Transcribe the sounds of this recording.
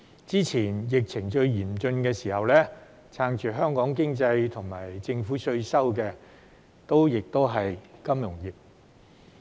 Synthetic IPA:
t͡siː˥t͡sʰiː˨˩njɪ˨k̚t͡sʰɪ˨˩ŋt͡ʃɵ˧ɥjiː˨˩mt͡ʃɵ˧nkɛː˧siː˨˩hɐ˨wlɛː˥ | t͡sʰaː˧ŋt͡ʃyː˨˩ɦœː˥ŋkɔː˨˥ŋkɪ˥ŋt͡sɐ˧jt̪ʰʊ˨˩ŋmaː˨˩jt͡sɪ˧ŋfuː˨˥sɵ˧ɥsɐ˥wkɛː˧ | t̪o˥wjɪ˨k̚t̪o˥wɦɐ˨jkɐ˥mjʊ˨˩ŋjiː˨p̚

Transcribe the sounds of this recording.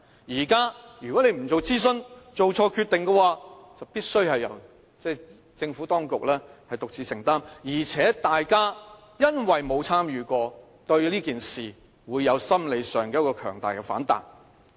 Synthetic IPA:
jiː˨˩kaː˥jy˨kɔː˨˥ne˨˧jm̩˨˩t͡so˨wt͡siː˥s̬ɵ˧nt͡so˨wt͡sʰɔː˧kʰyː˧t̪ɪ˨ŋkɛ˧waː˧t͡sɐ˨wpiː˥t̚sɵ˥ɥhɐ˨jːɐ̰˨˩w | t͡sɛː˥˩ | t͡sɪ˧ŋfuː˨˥t̪ɔː˥ŋkʊ˨k̚lɛː˥hɐ˨jt̪ʊ˨k̚t͡siː˨˧sɪ˨˩ŋt̪aː˥mjiː˨˩t͡sʰɛː˨˥t̪aː˨jkaː˥ | jɐ˥nwɐ˨jmo˨˧wt͡sʰaː˥mjyː˨kɔː˧ | t̪ɵ˧ɥliː˥kiː˨nsiː˨ | wuː˨˧jːɐ˨˧wsɐ˥mle˨˧jsœː˨˩ŋkɛː˧˥kɔː˧kʰœ̰ː˨˩ŋt̪aː˨jkɛ˧fa̰ː˨˥nt̪a̰ː˨n

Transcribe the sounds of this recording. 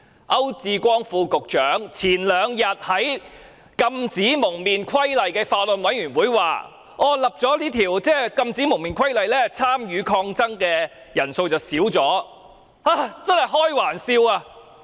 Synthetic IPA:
ʔɐ˥wt͡siː˧kʷɔː˥ŋfuː˧kʊ˨k̚t͡ʃœː˨˥ŋt͡sʰiː˨˩nlœː˨˧ŋjɐ˨t̚hɐ˨˥j | kɐ˧mt͡siː˨˥mʊ˨˩ŋmiː˨˩nkʰɐ˥jlɐ˨jkɛː˧faː˧lɔ˨nwɐ˨˥jɥyː˨˩nwuː˨˥jwa̰ː˨ | ɔː˨˧lɐ˨p̚t͡sɔː˨˥liː˥t̪ʰiː˨˩wt͡sɛː˥kɐ˧mt͡siː˨˥mʊ˨˩ŋmiː˨nkʰɐ˥jlɐ˨jlɛː˥t͡sʰaː˥mjyː˨˧kʰɔː˧ŋt͡sɐ˥ŋkɛː˧ | jɐ˨˩nso˧wt͡sɐ˨˩wsiː˨˥wt͡sɔː˨˥ | aː˧˩t͡sɐ˥nhɐ˨jɦɔː˥jwaː˨˩nsiː˧waː˧

